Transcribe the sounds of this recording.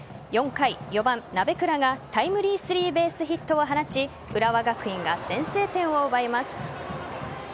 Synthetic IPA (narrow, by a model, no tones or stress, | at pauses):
jõ̞ŋkaijo̞bãnnabe̞kɯ̟ɾaɡat̪aimɯ̟ɾʲiːsɨɾʲiːbe̞ːsɨçit̪ːo̞ːɦanat͡ɕi | ɯɾaβaɡakɯ̟ĩŋɡasẽ̞ɰ̃se̞ːt̪ẽ̞ɰ̃o̞ɯbaemasɨ̥